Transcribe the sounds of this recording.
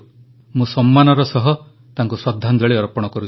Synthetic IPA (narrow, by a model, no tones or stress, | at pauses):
mũsɔmːanɔɾɔsɔɦɔ | t̪aŋkuswɔd̪ʱːand͡ʒɔɭeɔɾpɔɽ̃ɔkɔɾu